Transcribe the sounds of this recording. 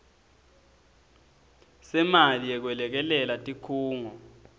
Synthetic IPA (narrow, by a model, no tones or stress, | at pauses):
sɛmalijɛk̬wɛlɛk̬ɛlɛlatʼikʰuːŋɔ